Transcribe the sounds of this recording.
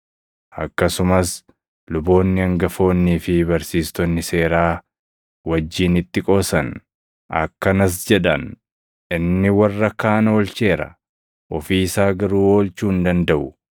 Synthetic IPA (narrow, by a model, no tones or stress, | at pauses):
ʔɐkːɐsʊmɐs | lʊbo̞ːnːɪɐŋɡɐfo̞ːnːiːfɪbɐɾsiːst̪ɔnːɪse̞ːɾaː | wɐd͡ʒːiːnɪt̪ːɪkʼoːsɐn | ʔɐ̰kːɐnɐs̬d͡ʒɛᶑ̪ɐn | ʔɪnːɪwɐrːɐkaːnoːlt͡ʃe̞ːɾɐ̰ | ʔɔfiːsaːɡɐɾuːo̞ːlt͡ʃuːnd̪ɐnd̪ɐʔʊ